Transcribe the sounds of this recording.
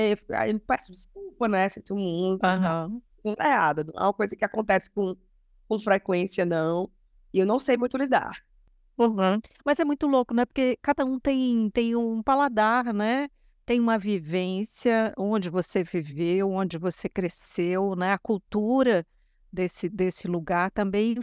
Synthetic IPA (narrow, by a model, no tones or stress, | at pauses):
eefi̥ka̰ĩpɛsʊd͡ʒɪskuwpɐnɛsẽt͡ʃ̪imũj̃t̪ãɦɐ̃ | kõkead̪ɐnɐ̃w̃ɛ̰ũmɐkojzɐkɪakõnt̪ɛsɪ̥kõ | kõfɾekwẽsiɐnɐ̃w̃ | ɪewnɐ̃w̃sejmũj̃t̪ʊlid̪a̰ɾ | ũɦ̩mɐzɛmũj̃t̪ʊlokʊnɛpoɾkekad̪ɐũt̪ẽj̃t̪ẽj̃ũpalad̪aɾnɛ | t̪ẽj̃ũmɐvivẽsjɐõd͡ʒɪvosevivewõd͡ʒɪvosekɾesewnɛɐkuwt̪uɾɐ | d̪esɪd̪esɪluɡaɾt̪ɐ̃mbẽj̃